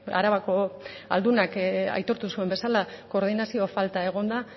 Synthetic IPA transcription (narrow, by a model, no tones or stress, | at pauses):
a̰ɾaβako̞ | a̰ld̪unaka̰jt̪o̞ɾt̪usue̞mbe̞salako̞ːɾðinasio̞falt̪ae̞ɣ̞o̞nd̪a